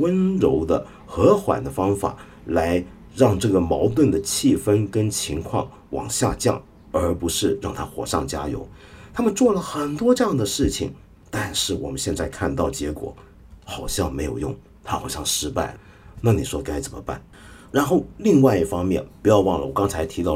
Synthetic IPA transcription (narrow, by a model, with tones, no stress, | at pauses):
wə˥nɻo˧˥ʊd̪ə̰˧ | xɤ˧˥xwa̰˨˩nd̪ə˦fɑ˥ŋfa̰˨˩ | la˧˥ɪ | ɻɑ˥˧ŋʈ͡ʂɤ˥˩ɡə˩mɑ˧˥ʊt̪̬wə˥˩nd̪ə˩t͡ɕʰi˥˩fə˥nkə˥nt͡ɕʰi˧˥ŋkʰwɑ˥˩ŋ | wɑ̰˨˩ŋɕja̰˥˧t͡ɕjɑ̰˥˩ŋ | ə˞˧˥pu˧˥ʂɻ̩˥˧ɻɑ˥˩ŋt̪ʰa˥xwɔ̰˨˩ʂɑ̰˥˩ŋt͡ɕja̰˥jo̰˧˥ʊt̪ʰa˥mə˨nt͡swɔ˥˩lə˩xə˨˩nt̪wɔ˥ʈ͡ʂɤ˥jɑ˥˩ŋd̪ə˩ʂɻ̩˥˩t͡ɕʰḭ˨˩ŋ | t̪a˥˧nʂɻ̩˥˩wɔ̰˨˩mə˦nɕjɛ˥˧nt͡sa˥˧ɪkʰa˥˧nt̪ɑ˥˩ʊt͡ɕjɛ˧˥kwɔ̰˨˩˦ | xɑ˨˩ʊɕjɑ˥˩ŋme˧˥ɪjo˨˩ʊjʊ̰˥˩ŋ | t̪ʰa˥xa˨˩ɕjɑ˥˩ŋʂɻ̩˥pa˥˩ɪ | na˥˩ni˨˩ʂwɔ˥ka˥ɪt͡sə˨˩mə̰˦pa̰˥˩n | ɻa˧˥nxo˥˩ʊli˥˧ŋwa˥˧ɪi˥˩fɑ˥ŋmjɛ˥˩npu˧˥jɑ˥˧ʊwɑ˥˩ŋlə̰˨wɔ˨˩kɑ˥ŋt͡sʰa˧˥ɪt̪ʰi˧˥ɑ˥˩ʊ